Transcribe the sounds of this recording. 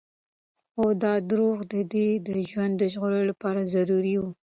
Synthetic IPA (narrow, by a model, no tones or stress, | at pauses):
xod̪ɑd̪ɾuɣd̪əd̪ed̪əʒwand̪ːəʒɣoɾəlapɑɾazaɾuɾiwu